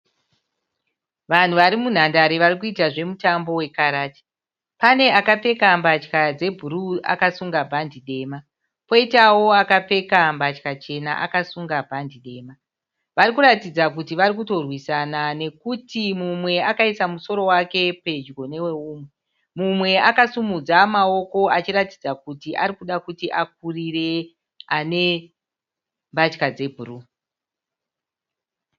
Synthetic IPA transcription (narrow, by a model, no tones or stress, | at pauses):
ʋan̤uʋaɾimun̤andaɾeʋaɾik̬uitaʐe̞mutambo̞we̞kaɾaːti̥ | pane̞akap͡fe̞kambat͡ʃkad͡ze̞bʱuɾua̰kasuŋɡabʱandiɗe̞ːma | po̞itawo̞akap͡fe̞kambat͡ʃkat͡ʃe̞na̰ʔa̰kasuŋɡabʱandiɗe̞ːma | ʋaɾikuɾatid͡zakutiʋaɾikuto̞rwisanane̞kutimumwe̞akaisamuso̞ɾo̞wake̞pe̞d͡ʒɡo̞ne̞we̞uːmwe̞ | mumwe̞akasumud͡zamao̞ko̞at͡ʃiratid͡zakutiʔaɾikuɗakutiʔak̚urire̞ | ane̞ | mbat͡ʃkad͡ze̞bʱuru